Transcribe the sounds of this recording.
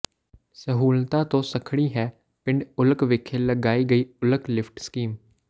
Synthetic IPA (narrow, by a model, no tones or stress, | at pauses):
səɦuːlt̪aːt̪õːsəkʰɽiːɦɛː | pɪ̃ɳɖʊləkʋɪkʰːeːləɡaːiːɡəiːʊləklɪpʰʈskiːm